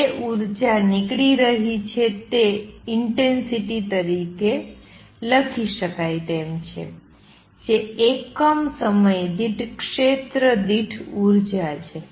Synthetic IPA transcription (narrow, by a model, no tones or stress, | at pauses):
d͡ʒeʔuɾd͡ʒanɪkɽiɾəɦit͡ʃʰet̪eɪɳʈensiʈit̪əɾike | ləkʰiʃəkajt̪emt͡ʃʰḛ | d͡ʒeekəmsəməjd̪iʈʰkʃet̪ɾəd̪iʈʰuɾd͡ʒat͡ʃʰe